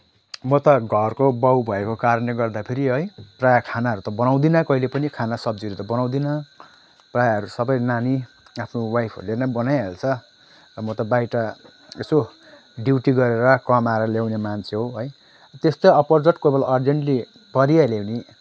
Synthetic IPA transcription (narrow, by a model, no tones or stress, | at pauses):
mʌt̪ʌɡʱʌrkobawbʱʌekokaɾʌnleɡʌrd̪apʰeɾiɦʌjprajakʰanaɦʌɾut̪ʌbʌnaw̃d̪inʌkʌɦilepʌnikʰanasʌbd͡ziʌɾut̪ʌbʌnaw̃d̪inʌ | prajɦʌɾusʌbʌjnani | apʰnowajpʰʌ̰ɾulenʌbʌnajɦelt͡sʰʌ | ʌmʌt̪ʌbajʈʌ | eso | ɖiwʈiɡʌɾeɾʌkʌmaɾʌlawnemant͡sʰeɦoɦʌj | t̪est̪oʌpʌrd͡zʌʈkebʌlʌrd͡zeɳʈli | pʌɾialewni